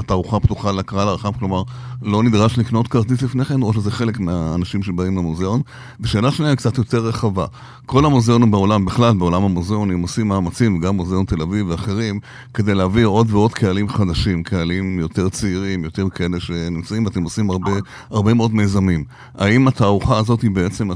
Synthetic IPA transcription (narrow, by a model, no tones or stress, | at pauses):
ataʁuχaptuχalakʁalaʁaχamklo̞maʁlo̞nid̪ʁaʃniknotkaʁt̪it̪lifne̞χenʁoʃ̬ezeχe̞le̞kmeaːnaʃimʃebaimlamozeon | beʃe̞ːlaʃniakt͡sat̪jo̞t̪e̞ʁːeχava | kʰo̞lamozeonumbeo̞lambeχlalbeo̞lamamozeonimosimaːmat͡simveɡamːuzeo̞nt̪e̞laviveaχe̞ʁim | ke̞dejleavio̞dveo̞dkʰealimχadaʃimkʰealimjo̞te̞ʁt͡siiʁimjo̞te̞ʁkʰae̞leʃe̞nimt͡saimveat̪emosimaʁbe | aʁbe̞meo̞dme̞zamim | a̰imat̪aːʁuχaːzo̞tibe̞et͡se̞ma